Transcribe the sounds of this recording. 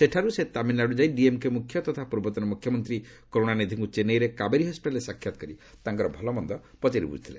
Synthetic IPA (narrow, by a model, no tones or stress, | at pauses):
seʈʰaɾuset̪aminːaɽud͡ʒajɖiemkemukʰjɔt̪ɔt̪ʰapuɾbɔt̪ɔnɔmukʰjɔmɔnt̪ɾi | koɾoɽ̃anid̪ʱiŋkut͡ʃenejɾekabeɾiɦɔspiʈalesakʰjat̪ɔkɔɾi | t̪aŋkɔɾɔbʱɔlɔmɔnd̪ɔpɔt͡ʃaɾḭbṵd͡ʒʱit̪ʰile